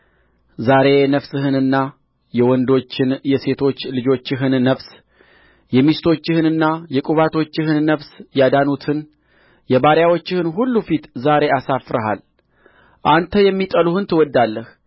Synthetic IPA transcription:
zaɾe̞nəfsɨhɨnɨnːa | jɛwɔnd̪o̞t͡ʃːɪnjɛse̞t̪ʰo̞t͡ʃːlɨd͡ʒo̞t͡ʃːɪɦɨnːəβs | jɛmist̪ʰo̞t͡ʃːɪhɨnɨnːajɛkʼuβat̪ʰo̞t͡ʃːɪhɨnːəβsjad̪anut̪ʰɨn | jɛβaɾjawo̞t͡ʃːɪhɨnɦulːufit̪zaɾe̞asafɾəɦa̰l | ʔant̪ʰəjɛmːit̪ʼəluhɨnt̪ʰɨwɔd̪ːalːəh

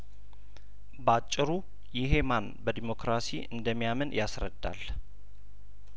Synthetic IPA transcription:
bəat͡ʃʼːɪɾu | jɪɦe̞manbəd̪imo̞kɾasḭʔɨnd̪əmːijamənjʔasɾə̰d̪ːa̰l

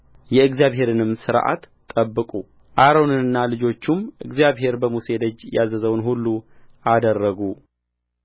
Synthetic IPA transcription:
jɛɨɡzijaβɦe̞ɾɨnɨmsɨɾʔa̰t̪ʼːəbːɨkʼu | ʔaɾonɨnɨnːalɨd͡ʒo̞t͡ʃːumʔɨ̰ɡzijaβɦe̞ɾbəmuse̞d̪əd͡ʒːjazəzəwnhulːu | ʔad̪ərːəɡu

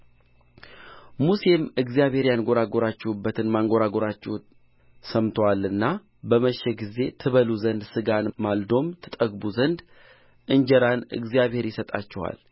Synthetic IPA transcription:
musemɨɡzijaβhe̞ɾjanɡo̞ɾaɡo̞ɾat͡ʃːɛwubːət̪ʰɨnmaŋɡo̞ɾaɡo̞ɾat͡ʃːɛw | səmt̪ʰowalɨnːa | bəməʃːɛɡize̞t̪ʰɨβəluzənd̪sɨɡanmald̪o̞mt̪ʰɨt̪ʼəɡbuzənd̪ | ʔɨɲd͡ʒɛɾanɨ̰ɡzijaβhe̞ɾjɪsət̪ʼa̰t͡ʃːɛwa̰l

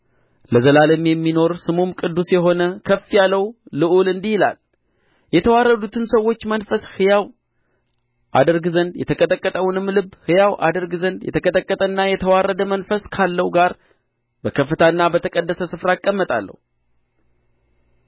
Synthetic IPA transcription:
ləzəlaləmjɛmːino̞ɾsɨmumkʼɨd̪ːusjɛɦo̞nəkʰəfːijalːəwlɨʔulɨnd̪ihɪla̰l | jɛt̪ʰəwaɾːəd̪ut̪ʰɨnsəwːo̞t͡ʃːmənfəshɨjaw | ʔa̰d̪əɾɡzənd̪jɛt̪ʰəkʼət̪ʼəkʼːət̪ʼəwnɨmːlɨbhɨjawʔa̰d̪əɾɡzənd̪jɛ̰t̪ʰəkʼət̪ʼəkʼːət̪ʼənːajɛt̪ʰəwarːəd̪əmənfəskʰalːəwɡaɾ | bəkʰəfːɨt̪ʰaɨnːabət̪ʰəkʼəd̪ːəsəsɨfɾakʼːəmːət̪ʼa̰lːə̰hu

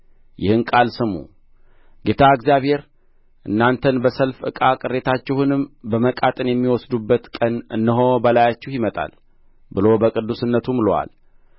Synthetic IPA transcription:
jɪhɨnkʼalsɨmːṵ | ɡe̞t̪ʰaɨɡzjaβhe̞ɾ | ʔɨnːant̪ʰənbəsəlfʔɨ̰kʼakʼɨrːe̞t̪ʰat͡ʃːɛhunɨmbəməkʼat̪ʼɨnjɛmːiwɔsd̪ubːət̪kʼənɨnːɨɦo̞bəlajat͡ʃːɛhjɪmət̪ʼa̰l | bɨlo̞bəkʼɨd̪ːusɨnːət̪ʰumɨlowa̰l

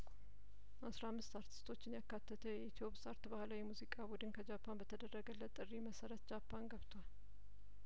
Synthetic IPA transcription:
ʔasɾahamːɨst̪aɾt̪ʰi̥st̪ʰo̞t͡ʃːɪnjakːat̪ʰːət̪ʰəjɛit̪ʰijo̞pʼsaɾt̪bahlawjɛmuzikʼabud̪ɨnkʰəd͡ʒapʰːanbət̪ʰəd̪ərːəɡələt̪ʼɨrːiməsəɾət̪̚d͡ʒapʰːanɡəβt̪ʰwal

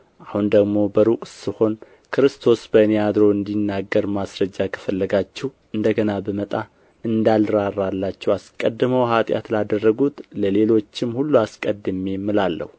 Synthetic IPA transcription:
ʔahund̪əɡmo̞bəɾukʼsɨho̞n | kʰɨɾɨst̪ʰo̞sbənejad̪ɾo̞ɨnd̪inːaɡːəɾmasɾəd͡ʒːakʰə̥fəlːəɡat͡ʃːɛh | ɨnd̪əɡənabəmət̪ʼa | ɨnd̪alɾarːalːat͡ʃːɛwaskʼəd̪ːɨməwɦat̪ʼja̰t̪lad̪ərːəɡut̪ləle̞lo̞t͡ʃːɪmhulːuaskʼəd̪ːɨmemːɨlalːə̰hu

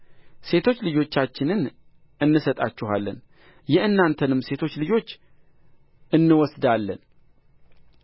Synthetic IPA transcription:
se̞t̪ʰo̞t͡ʃːlɨd͡ʒo̞t͡ʃːat͡ʃːɪnɨn | ʔɨnːɨsət̪ʼat͡ʃːɪhalːə̰n | jɛɨnːant̪ʰənɨmːse̞t̪ʰo̞t͡ʃːlɨd͡ʒo̞t͡ʃː | ʔɨnːɨwɔsd̪alːən

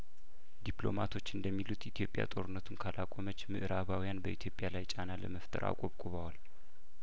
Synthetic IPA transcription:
d̪iplo̞̰mat̪ʰo̞t͡ʃːɨnd̪əmːilut̪it̪ʰjo̞pʼja̰t̪ʼo̞ɾɨnːət̪ʰunkʰalʔakʼomət͡ʃːmɨʔɾaβawijanbəʔit̪ʰjo̞pʼjalajt͡ʃʼanalə̰məft̪ʰə̰ɾa̰kʼoβkʼuβawal

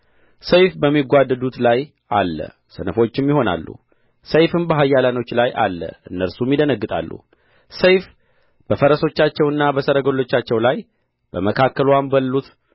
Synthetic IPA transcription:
səjfbəmːiɡʷad̪ːəd̪ut̪laj | ʔalːə̰ | sənəfo̞t͡ʃːɪmjɪho̞na̰lːṵ | səjfɨmbəɦajːalano̞t͡ʃːlajʔa̰lːə̰ʔɨnːəɾsumjid̪ənəɡːɨt̪ʼa̰lːṵ | səjf | b̥əfəɾəso̞t͡ʃːat͡ʃːɛwɨnːabəsəɾəɡolːo̞t͡ʃːat͡ʃːɛwlaj | b̥əməkʰakːəlwambəlːut̪

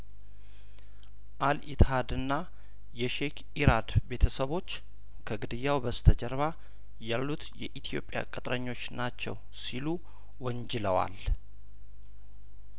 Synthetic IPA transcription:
ʔalit̪had̪ɨnːa | jɛʃek | iɾad̪be̞t̪ʰəsəβo̞t͡ʃː | kʰəɡɨd̪ɨjːawbəst̪ʰəd͡ʒəɾβa | jalːut̪jɛʔit̪ʰijo̞̰pʼːja̰kʼət̪ʼɾəɲːo̞t͡ʃːnat͡ʃːɛ̰w | silu | wəɲd͡ʒɪləwa̰l

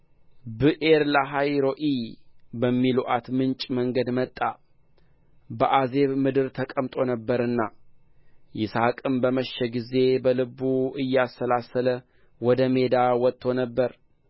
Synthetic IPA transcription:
bɨʔeɾlaɦajɾo̞ʔibəmːiluʔat̪mɨnt͡ʃʼməŋɡəd̪mət̪ʼːa | bəʔaze̞βmɨd̪ɨɾt̪ʰəkʼəmt̪ʼo̞nəbːəɾɨnːa | jɪsakʼɨmbəməʃːɛɡize̞bəlɨbuɨjːɛasːəlasələ | wɔd̪əme̞d̪awɔt̪ʰːo̞nəbːəɾ

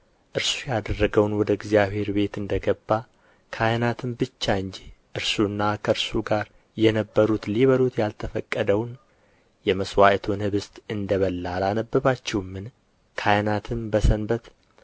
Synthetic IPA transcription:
ʔɨɾsujad̪ərːəɡəwnwɔd̪əɪɡzijaβhe̞ɾbe̞t̪ɨnd̪əɡəbːa | kʰajənat̪ʰɨmbɨt͡ʃːaɨɲd͡ʒiʔɨɾsuɨnːakʰəɾsuɡaɾ | jɛnəbːəɾut̪liβəlut̪jalt̪ʰəfəkʼːəd̪əwn | jɛməswaʔt̪ʰonhɨβɨst̪ʼɨnd̪əβəlːalanəbːɨβat͡ʃːɛwmːɨn | kʰajənat̪ʰɨmbəsənbət̪

